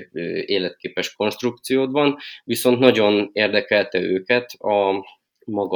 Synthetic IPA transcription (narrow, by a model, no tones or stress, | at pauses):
øeːlɛt̪̚keːpɛʃko̞nʃt̪ruk̚t̪sijoːd̪bɒnviso̞nt̪nɒɟo̞neːrd̪ɛkɛlt̪ɛøːkɛt̪ɒ | mɒɡ